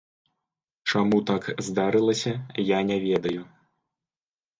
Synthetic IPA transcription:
t͡ʂamut̪akzd̪aɾɨlˠɐsʲɐjanʲɛvʲɛd̪ɐju

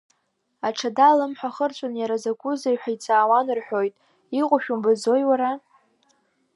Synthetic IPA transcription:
aʈ͡ʂʰadalɨmħʷᶣaχərt͡ɕʷʼʊnjaɾazaɡʷʼʊzajħʷᶣait͡sʼaːwanɨrħʷᶣojtʼ | iqʷʼʊʃᶣumbazo̞jwaɾa

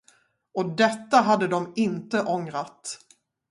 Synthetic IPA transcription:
ɔd̪ɛt̪ːaɦad̪ːəd̪ɔmɪnt̪əʔɔŋɾat̪

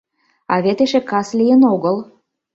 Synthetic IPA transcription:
ɑ̰βet̪eʃekɑslijənoɣəl

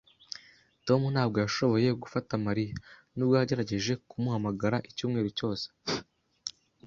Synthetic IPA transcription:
to̞munaːbɡo̞jaʃo̞βo̞je̞ɡufatamaɾija | nubɡojaɟe̞ɾaɟe̞ʒe̞kumuhamaɡaɾaʔicuːmŋe̞ːɾuco̞ːse̥

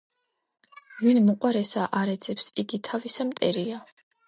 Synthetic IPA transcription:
vinmɔqʼwaɾɛsaʔaɾɛd̪z̥ɛpsid̪it̪ʰavisamt̪ʼɛɾia

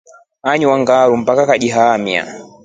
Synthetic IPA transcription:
aɲuwaŋɡaɾum̩pakakaɗiɦamia̰

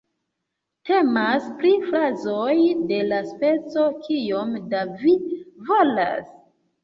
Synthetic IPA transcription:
te̞maspɾifɾazojde̞laspe̞t͡so̞kʰijomdavivo̞la̰s

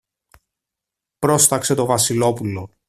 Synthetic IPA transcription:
pɾo̞st̪ɐkse̞t̪o̞vɐsilo̞pulo̞

